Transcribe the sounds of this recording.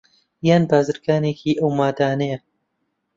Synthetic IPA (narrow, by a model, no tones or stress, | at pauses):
jaːnbaːzɨɾɡaːneːkʰiːʔəwmaːd̪aːnej